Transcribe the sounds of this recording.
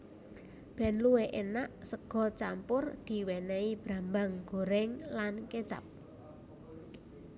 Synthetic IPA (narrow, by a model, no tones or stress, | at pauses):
b̥ɛ̤nluweʔenaʔsəɡ̥ɔ̤t͡ʃampʊrd̪̥i̤wɛnɛib̥ɾambaŋɡ̥o̤ɾɛŋlanket͡ʃa̰p̚